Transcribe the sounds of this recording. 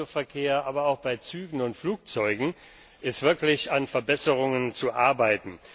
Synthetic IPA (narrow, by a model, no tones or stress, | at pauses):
ofɛɐkʰeːɐʔaːbɐaʊxb̥aɪt͡syːɡŋ̩ʊntfluːk̚t͡sɔʏɡŋ̩ | ʔɪstv̥ɪɐklɪçanfɛɐbɛsəʁʊŋənt͡suʔaɐbaɪtn̩